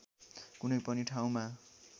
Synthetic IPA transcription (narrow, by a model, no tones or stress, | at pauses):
kunʌjpʌniʈʰaw̃ma